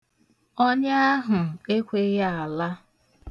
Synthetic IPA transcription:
o˦ɲa˦a˦ɦʊ˨e˦kʷe˦ja˦a˨la˦

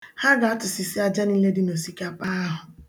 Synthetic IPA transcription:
ha˦ɡa˨a˦tʊ˨si˨si˦a˦d͡ʒa˦ni˦le˦dɪ˦no˨si˨ka˦pa˦a˦ɦʊ˨

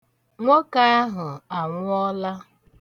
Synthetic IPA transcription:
ŋʷo˦ka˦a˦ɦʊ˨a˨ŋʷʊ˦ɔ˦la˦

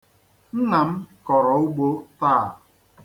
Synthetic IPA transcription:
ŋ̩˦ŋa˨m̩˦kɔ˨ɾɔ˨ʊ˦ɡ͡bo˦taː˦˨

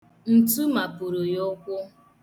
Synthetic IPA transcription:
n̩˨tu˦ma˨pʊ˨ɾu˨jʊ˦kʷʊ˦

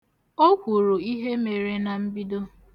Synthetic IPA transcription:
o˦kʷu˨ɾu˨i˦ɦe˦me˨ɾe˦na˨m̩˦bi˦do˦

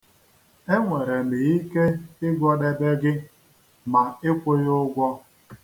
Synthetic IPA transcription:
e˦ŋʷe˨ɾe˨m̩˨e˨i˦ke˦ɪ˦ɡɔ˦de˦be˦ɡɪ˦ | ma˨ɪ˦kʷʊ˦jʊ˦ɡʷɔ˦

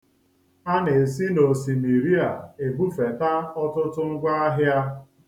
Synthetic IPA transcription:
a˦ne˨si˦no˨si˨mi˨ɾi˦a˨e˨bu˦fe˨ta˦ɔ˦tʊ˦tʊ˦ŋ̩˦ɡʷa˦a˦ɦja˦

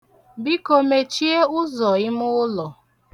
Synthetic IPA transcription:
bi˦ko˨me˨t͡ʃi˦e˦ʊ˦zɔ˨ɪ˦mʊ˦ʊ˦lɔ˨

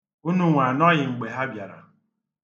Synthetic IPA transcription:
u˦nu˦ŋʷa˨nɔ˦ɣɪ˨ŋ͡m̩˨ɡ͡be˨ɦa˦bja˨ɾa̰˨

